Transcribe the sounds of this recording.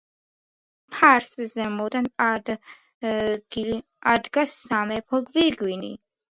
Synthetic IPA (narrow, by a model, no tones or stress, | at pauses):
pʰaɾszɛmɔd̪and̪ | ɡ | ad̪ɡasamɛpʰɔɡviɾɡwinḭ